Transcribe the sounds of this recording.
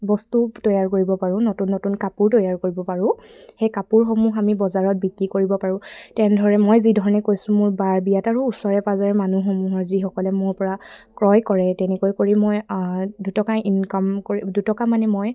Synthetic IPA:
bɔstutɔjaɹkoɹibɔpaɹʊ̃notunːotunkapʊɹtɔjaɹkoɹibɔpaɹʊ̃xejkapuɹxɔmuxamibɔzaɹɔt̚bikɹikoɹibɔpaɹʊ̃tɛndʱɔɹɛmojzidʱɔɹɔnɛkojsʊ̃mʊɹbaɹbijataɹuːsɔɹɛpazaɹɛmanuxɔmuɦɔɹzixɔkɔlɛmʊɹpɔɹakɹɔjkɔɹɛtɛnɛkojkoɹimːojdutɔkaʔinkɔmkoidutɔkamanɛmoj

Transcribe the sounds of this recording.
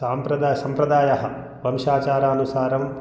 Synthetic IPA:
saːmpɾɐd̪aːjɐsɐmpɾɐd̪aːjɐɦɐ̆ | ʋɐmʃaːt͡ʃaːɾaːɐnusaːɾɐm

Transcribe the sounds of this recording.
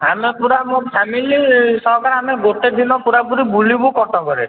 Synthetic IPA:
ɦamepuɾabũpʰamilisɔɦkaɾɦameɡoʈed̪ʱinɔpuɾapuɾibulibukɔʈɔkɔɾe

